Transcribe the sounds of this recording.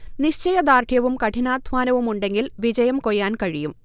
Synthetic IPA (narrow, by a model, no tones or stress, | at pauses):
niɕt͡ɕɐjɐd̪aːrʈʰjɐʋumkɐʈʰinaːd̪ʱʋaːnɐʋumuɳɖe̞ŋɡilʋid͡ʑɐjɐmkojːaːnkɐɻijum